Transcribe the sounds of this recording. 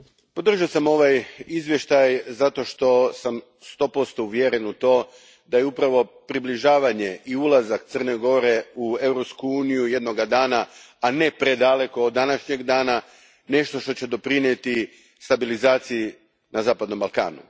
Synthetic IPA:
po̞d̪r̩ʒiosamo̞ʋajizʋje̞ʃt̪ajzat̪o̞ʃt̪o̞sam | st̪o̞ːpo̞st̪o̞uʋjeɾenut̪o̞ː | d̪ajeupɾaʋo̞pɾibliʒaːʋaɲe̞ʔiulˠazak̚t̪sər̩ne̞ɡo̞ɾe̞ue̞vɾo̞pskuuːnijuje̞d̪no̞ɡad̪aːnaː | ne̞pɾed̪ale̞ko̞ːd̪ːanaʃɲe̞ɡd̪aːna | ne̞ʃt̪o̞ʃt̪o̞t͡ɕe̞d̪o̞pɾinjet̪i | st̪abilizaːt̪siji | nazaːpad̪no̞mbalˠka̰ːnṵ

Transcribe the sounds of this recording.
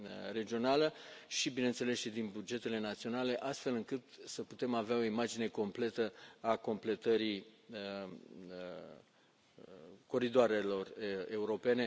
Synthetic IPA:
re̞d͡ʒio̞naləʃibine̞nt̪se̞le̞sʃid̪inbud͡ʒe̞t̪e̞le̞nat̪sio̞nale̞ʔast̪fe̞lɨŋkɨt̪səput̪e̞maveao̞imad͡ʒine̞ko̞mple̞t̪əako̞mple̞t̪əɾi | ko̞ɾid̪oaɾe̞lo̞re̞uɾo̞pe̞ne̞

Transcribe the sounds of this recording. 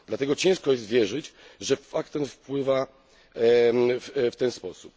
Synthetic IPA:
d̪lat̪ɛɡɔt͡ɕɛ̃w̃ʂkɔjɛst̪vʲjɛʐɘt͡ɕʐɛfakt̪ɛnfpwɘva | fft̪ɛnspɔsup

